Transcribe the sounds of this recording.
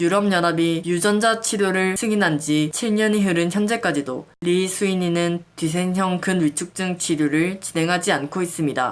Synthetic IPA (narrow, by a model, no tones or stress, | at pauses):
juɾʌmɲʌnabijud͡ʑʌnd͡ʑat͡ɕʰiɾjoɾɯɭsʰɯŋinɦand͡ʑit͡ɕʰiɭɲʌniɦɯɾɯnçjʌnd͡ʑe̞k͈ad͡ʑido̰ | lisʰuiɲinɯntɥis̬ʰe̞ŋçjʌŋkɯnwit͡ɕʰuk̚t͡ɕ͈ɯŋt͡ɕʰiɾjuɾɯɭt͡ɕine̞ŋɦad͡ʑiankʰois͈ɯmɲida̰